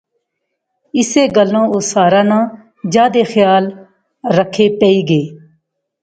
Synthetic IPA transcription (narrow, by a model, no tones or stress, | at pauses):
ɪseːɡəlːõːoːsaːɾaːnãː | d͡ʒaːd̪eːxjaːl | ɾəkʰeːpəiːɡeː